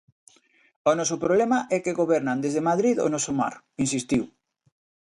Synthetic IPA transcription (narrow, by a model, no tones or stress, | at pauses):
onɔsʊpɾoβlɛmaʔɛkeɣoβɛɾnand̪ezðemaðɾiðo̰nɔsoma̰ɾ | ins̬ist̪iw